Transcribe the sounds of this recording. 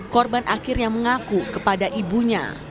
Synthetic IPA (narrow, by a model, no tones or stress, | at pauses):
kɔrbanʔakɪrjaŋməŋakukəpadaʔibuɲa̰